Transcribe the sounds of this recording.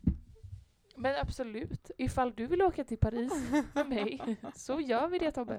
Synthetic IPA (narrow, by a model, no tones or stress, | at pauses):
mɛnabsɔlʉ̟ːt̪ɪfalːd̪ɵvɪloːkat̪ʰɪlpʰaɾiːsfɛmɛjsɔjœːɾvɪd̪ɛːt̪ʰɔmbə̰